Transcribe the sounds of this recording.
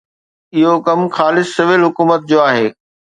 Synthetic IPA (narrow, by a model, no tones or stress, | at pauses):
ɪɦokɐmxaːlɪsːɪʋɪlɦʊkuːmət̪̚d͡ʑoːaːɦeː